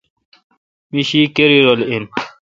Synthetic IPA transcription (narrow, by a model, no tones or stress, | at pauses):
miɕikeɾiɾolen